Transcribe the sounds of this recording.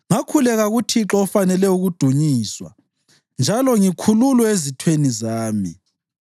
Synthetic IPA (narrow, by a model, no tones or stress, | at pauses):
ŋakʰulɛɣaɣutʰiǁɔɔfanɛlɛuɣud̥ʱuɲiːswa̰ | nd͡ʒʱalɔŋikʰululɔezitʰwenizaːmi